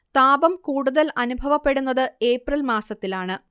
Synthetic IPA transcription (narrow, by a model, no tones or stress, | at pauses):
t̪aːbɐmkuːɽuðɐlɐnubʱɐʋɐpːe̞ɽunːɐðɨe̞ːprɐlmaːsɐt̪ːilaːɳɨ